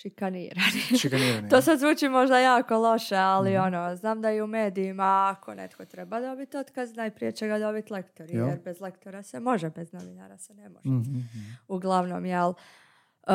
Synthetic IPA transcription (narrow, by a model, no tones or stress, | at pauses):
ʃikanḭːɾanikt̪oːsad̪zʋuːt͡ʃimo̞ʒd̪ajaːko̞lˠo̞ʃe̞alio̞no̞znaːmd̪aiumeːd̪ijimaːkʰo̞nḛt̪ko̞t̪ɾebad̪o̞bit̪o̞t̪kaznajpɾie̞t͡ɕeɡad̪o̞bit̪lˠe̞kt̪o̞ɾijeɾbe̞zle̞kt̪oɾasemo̞ʒebe̞zno̞ʋina̰ɾasenemo̞ʒɛ | uɡlˠaʋno̞mjel